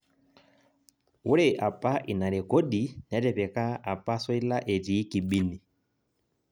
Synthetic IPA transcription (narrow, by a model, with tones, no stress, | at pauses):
wu˦ɾɛ˨ʔa˨pa˦ʔi˨na˨ɾɛ˨kɔ˦ɗi˨n˨ɛ˨˦tɛ˨pɛ˨ka˦a˨pa˦sɔ˦i˦la˦ʔɛ˨tiː˨˦ki˨ɓi˦ni˨